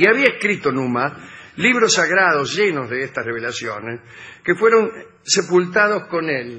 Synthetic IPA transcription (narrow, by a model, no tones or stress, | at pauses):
iaβiaeskɾit̪onumaliβɾosaɣɾaðozʒenozðeest̪asreβ̞elasjones | kefweɾo̞n | sepult̪aðo̞sko̞nel